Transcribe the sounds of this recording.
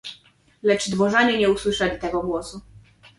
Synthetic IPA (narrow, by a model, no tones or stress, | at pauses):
lɛt͡ʂd̪vɔʐaɲɛɲɛuswɘʂɛlʲit̪ɛɡɔɡwɔsu